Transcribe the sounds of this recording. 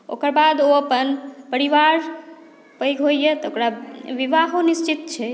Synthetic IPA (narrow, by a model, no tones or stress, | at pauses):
o̰kəɾbad̪oəpənpəɾiʋaɾ | pəjɡʱɦojjet̪ɔokɾaʋiʋaɦonist͡ʃit̪t͡ʃʰɛ